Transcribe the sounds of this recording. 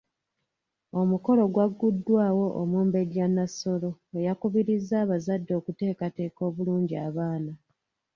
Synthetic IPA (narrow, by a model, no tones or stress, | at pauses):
o̞muko̞lo̞ɡwaɡːudːwaːwo̞ʔomuːmbe̞ɟanːaso̞lo̞ejakuβiɾizːaːβazadːo̞ːkute̞ːkate̞ːko̞ːβuluːɲɟiaβaːna